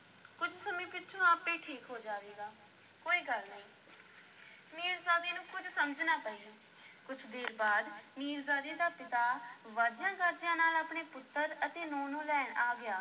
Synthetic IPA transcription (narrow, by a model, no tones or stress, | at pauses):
kʊd͡ʒsəmĩːpɪtːt͡ʃʰõːaːpːẽːʈʰiːkɦoːd͡ʒaːʋeːɡaː | koːiːɡəlnəĩː | miːɾzaːd̪iːnũːkʊd͡ʒsəməd͡ʒnaːpɛ̃ːĩ | kʊt͡ʃʰd̪eːɾbaːd̪miːɾzaːd̪iːd̪aːpɪt̪aːʋaːd͡ʒɪjãːɡəɾd͡ʒɪjãːnaːlaːpɳeːpʊt̪ːəɾət̪eːnɔːnõːlɛːɳaːɡɪjaː